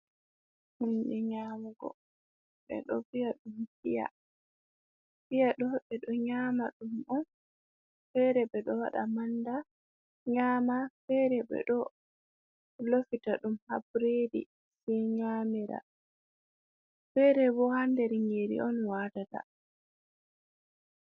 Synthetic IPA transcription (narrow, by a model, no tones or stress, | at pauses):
hunɗɛɲaːmaɡɔ̰ | ɓɛ̰ɗɔ̰fijaɗumfija̰ | fijaɗɔɓɛɗɔɲaːmaɗumɔn | fɛɾɛɓɛɗɔwa̰ɗa̰manda | ɲaːmafɛɾɛɓɛ̰ɗɔ | lofitaɗumhabɾedḭ | sɛɲaːmiɾa̰ | fɛɾɛbɔhandɛɾiŋɡeɾḭɔnwatata̰